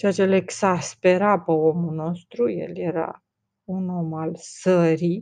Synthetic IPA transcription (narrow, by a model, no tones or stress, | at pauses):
t͡ʃeat͡ʃeleksaspe̞ɾapeomuno̞st̪ɾujḛlje̞ɾa̰ | uno̞malsəɾi